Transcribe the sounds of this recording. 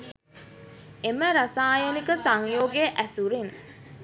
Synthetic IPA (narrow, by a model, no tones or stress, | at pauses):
eməɾasaːjənikəsaŋjoːɡeʔæsuɾin